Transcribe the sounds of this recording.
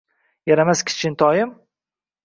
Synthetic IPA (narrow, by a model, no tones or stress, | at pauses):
jaɾamaskʲʰɪ̥t͡ʃʰɪnt̪ʰɒjɪm